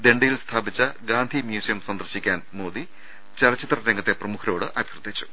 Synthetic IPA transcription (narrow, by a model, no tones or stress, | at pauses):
d̪e̞ɳɖɐjilst̪ʰaːbit͡ɕːɐɡaːnd̪ʱimjuːsɐjɐmsɐnd̪ɐrɕikʲːaːnmoːd̪i | t͡ɕɐlɐt͡ɕːit̪rɐɾeŋɡɐt̪ːe̞prɐmukʰɐɾo̞ːɽɨʔɐbʱjrd̪ʱit͡ɕːu̥